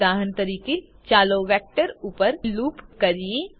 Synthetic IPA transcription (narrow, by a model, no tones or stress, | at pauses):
aːɦənt̪ɐɾiːke | t͡ʃaːloʋɛːk̚ʈəɾuːpəɾluːpkɐɾiẽ